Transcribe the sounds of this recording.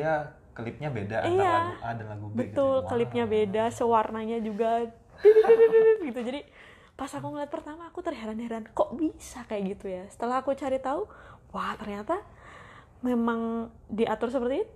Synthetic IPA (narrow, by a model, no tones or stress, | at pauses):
ja | kəlɪp̚ɲabedaʔijaadalaɡubət̪ʊlkəlɪp̚ɲabedasəwarnaɲad͡ʒuɡa | ɡit̪ud͡ʒadi | pasakuŋəliat̪̚pərt̪amaːkut̪ərɦeɾanheɾankoʔbisakajaʔɡit̪ujasə̥t̪əlaɦːkut͡ʃaɾit̪auwaht̪ərɲat̪a | memaŋ | diʔat̪ʊrs̬əpərt̪i